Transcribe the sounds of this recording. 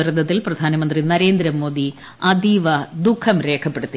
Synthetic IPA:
ɾɐd̪ʱːɐt̪̬ːilprɐd̪ʱaːnɐmɐnd̪rinɐɾe̞ːnd̪ɾɐmo̞ːd̪i | ɐd̪iʋɐd̪ukʰːɐmɾe̞ːkʰɐpːe̞ɽut̪ːi

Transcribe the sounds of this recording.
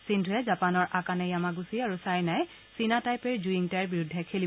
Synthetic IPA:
sindʱʊɛzapanɔɹʔakanɛjamaɡusiaɹusajnaj | sinatajpɛɹzuiŋtaɹbiɹʊdʱːɛkʰeli

